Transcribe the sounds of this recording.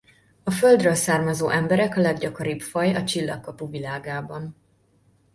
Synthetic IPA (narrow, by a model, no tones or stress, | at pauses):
ɒføld̪rølsaːrmɒzoːʔɛmbɛɾɛkɒlɛɡɟɒko̞ɾibfɒjɒt͡ʃilːɒ̰kːɒpuvilaːɡaːbɒn